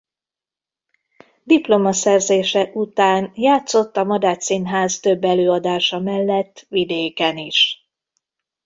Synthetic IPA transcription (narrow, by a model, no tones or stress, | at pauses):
d̪iplo̞mɒsɛrzeːʃɛʔut̪aːnjaːt̪so̞t̪ːɒmɒd̪aːt̪sinɦaːzt̪ø̞bːɛløːɒd̪aːʃɒmɛlːɛt̪ːʋid̪eːkɛniʃ